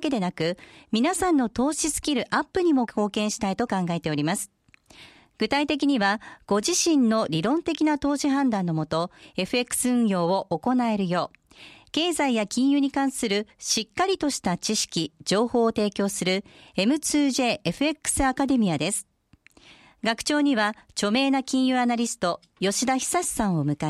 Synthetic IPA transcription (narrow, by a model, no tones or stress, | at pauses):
ke̞d̪e̞nakɯ̟mʲinasãnːo̞t̪o̞ːɕisɨ̥kʲiɾɯ̟ʔapːɯ̟ɲ̟imo̞kʰo̞ːkẽ̞ɰ̃ɕi̥t̪ait̪o̞kãŋɡae̞t̪e̞o̞ɾʲimasɨ̥ | ɡ̥ɯ̟t̪ait̪e̞kʲiɲ̟iβaɡ̥o̞ʑiɕĩnnːo̞ɾʲiɾõ̞nt̪e̞kʲinat̪o̞ːɕiɦãnd̪ãnːo̞mo̞t̪o̞e̞ɸɯ̟e̞kːɯ̥sɨɯ̟̃ɰ̃jo̞ːβo̞ʔoko̞nae̞ɾɯ̟jo̞ː | ke̞ːzaijakʲĩɰ̃jɯ̟ːɲ̟ikãɰ̃sɨɾɯ̟ɕikːaɾʲit̪o̞ɕi̥t̪at͡ɕiɕi̥kʲid͡ʑo̞ːho̞ːt̪e̞ːkʲo̞ːsɨɾɯ̟e̞mɯ̟t͡sɨːʑe̞ːʔeɸɯ̟e̞kːɯ̥sɨakad̪e̞mʲijad̪e̞sɨ̥ | ɡakɯ̥t͡ɕo̞ːɲ̟iβat͡ɕo̞me̞ːnakʲĩɰ̃jɯ̟ːanaɾʲisɨ̥t̪o̞ | jo̞ɕid̪açi̥saɕi̥sãɰ̃o̞mɯ̟ka